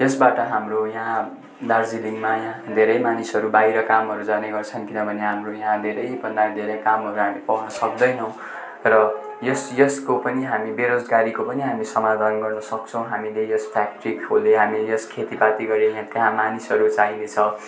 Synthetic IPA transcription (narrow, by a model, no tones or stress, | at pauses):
jʌsbaʈʌɦamrojaɦã | d̪ard͡ziliŋmajãɦd̪ʱeɾʌjmanisʌɾubajɾʌkamɦʌɾud͡zaneɡʌrt͡sʰʌnkinʌbʱʌneɦamrojãɦãd̪ʱeɾʌjbʌnd̪ad̪ʱeɾʌjkamɦʌɾuɦamipʌɦnʌsʌkd̪ʌjnʌw̃ | rʌ | jʌsjʌskopʌniɦamibeɾod͡zɡaɾikopʌniɦamisʌmad̪ʱanɡʌrnʌsʌk̚t͡sʰʌ̃w̃ɦamilejospʰakʈrikɦoleɦamijʌskʰet̪ipat̪iɡʌɾijãt̪jɦãmanisʌɾut͡saɦinet͡sʰʌ